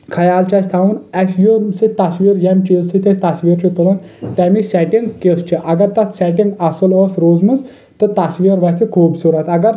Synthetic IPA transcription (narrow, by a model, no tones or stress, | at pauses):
kʰɐjaːlt͡ʃɐsʲt̪ʰaːʋunɐsjosit̪ɐsʋiːɾjɐmt͡ʃilsit̪ʰesʲt̪ɐsʋiːɾt͡ʃʰit̪ulɐn | t̪ɐmisʲɛʈiŋɡkest͡ʃʰiʔɐɡɐɾt̪ɐt̪ʰsʲɛʈiŋɡɐsɨlɔːsɾoːzmɨnz | t̪ɨt̪ɐsʋiːɾʋɐsʲt̪ʰikʰuːbsuɾɐt̪ɐɡɐɾ